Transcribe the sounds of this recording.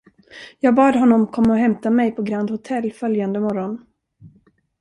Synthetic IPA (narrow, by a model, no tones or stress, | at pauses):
jɑːɡbɑːd̪ɦɔnːɔmkʰɔmːaɔɦɛmt̪amɛjpʰɔɡɾand̪hʊt̪ʰɛlːfœljand̪əmɔɾɔn